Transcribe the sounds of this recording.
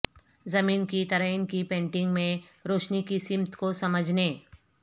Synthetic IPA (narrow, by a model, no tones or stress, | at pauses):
zɐmiːnkit̪ɐɾəɪnkipẽːɳʈɪ̃ŋɡmẽɾoːʃnikisɪmt̪kosɐməd͡ʒʱneː